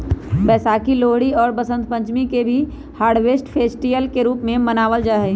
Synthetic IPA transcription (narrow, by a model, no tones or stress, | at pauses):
bɛːsaːkiloːɦɽiɔːɾbəsə̃nt̪̚pə̃ɲt͡ʃmikebʱi | haːɾɖʋeːsʈpʰeːsʈiəlkeɾuːpmẽmənaːʋəld͡ʒaːɦɛ